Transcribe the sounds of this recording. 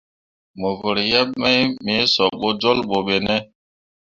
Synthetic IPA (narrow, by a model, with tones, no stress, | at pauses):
mo˨vo˨ɾjɛ˦ɓ̚mɛ˦jme˨˦sɔ˨ɓo˦d͡ʒo˦lɓo˨ɓe˨nɛ˦